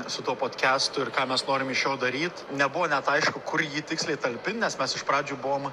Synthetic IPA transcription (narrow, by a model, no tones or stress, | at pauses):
sʊt̪uɔpoːt̪ʲkʲæːst̪ʊɪrkɑːmʲɛsnoːɾʲɪmɪʃjoːd̪ɐɾʲiːt̪nʲɛbʊʋoːnʲɛt̪ɐɪʃkʊkʊɾjiːt̪ʲɪksʲlʲɛɪt̪ɐlʲpʲɪnnʲɛsmʲɛsɪʃpɾɑːd͡ʒʲuːbʊʋoːm